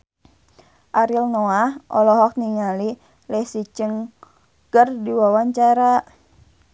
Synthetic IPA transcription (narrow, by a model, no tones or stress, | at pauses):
ʔaɾilnoahɔ̰lɔɦɔk̚niŋali | lɛhsit͡ʃəŋ | kərdiwawaɲt͡ʃaɾa